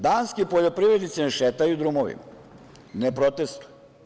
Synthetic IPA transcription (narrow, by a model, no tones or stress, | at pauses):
d̪aːnskipoʎopɾiʋɾed̪nit̪sineʃet̪ajud̪ɾumoʋḭ | nepɾot̪est̪uj